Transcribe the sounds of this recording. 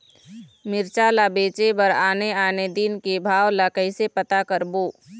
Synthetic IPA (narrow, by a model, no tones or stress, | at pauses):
mɪɾt͡ʃalabeːt͡ʃebəɾaːneaːned̪inkebʱaːʋlakəisepət̪akəɾboː